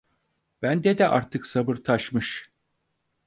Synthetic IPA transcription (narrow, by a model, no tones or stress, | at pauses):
b̥ænd̪ɛd̪ɛʔa̰ɾt̪ʰɯksabɯɾt̪ʰaʃmɯʃ